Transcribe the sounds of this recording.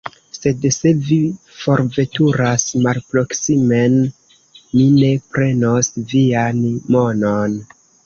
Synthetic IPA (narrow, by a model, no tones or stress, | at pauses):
se̞dse̞vi | fo̞ɾve̞tuɾasmalpɾo̞ksime̞n | mine̞pɾe̞no̞svianmo̞non